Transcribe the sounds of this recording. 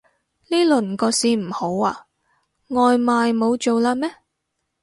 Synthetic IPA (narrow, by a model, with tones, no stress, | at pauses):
niː˥lɵ˨˩nkɔː˧siː˨˧m̩˨˩ho˨˥waː˧ | ŋɔː˨jmaː˨jmo˨˧wt͡ʃo˨wlaː˧mɛː˥